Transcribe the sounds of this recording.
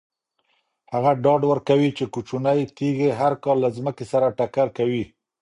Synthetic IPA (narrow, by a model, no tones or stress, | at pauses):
haɣaɖɑɖwəɾkawit͡ʃekut͡ʃunajt̪eɣeɦaɾkɑlːazməkesaɾaʈakaɾkawi